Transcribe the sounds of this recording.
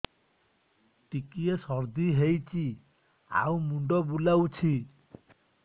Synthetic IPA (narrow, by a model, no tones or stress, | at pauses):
ʈikiesɔɾd̪iɦejt͡ʃʰi | a̰wmuɳɖɔbulawt͡ʃʰi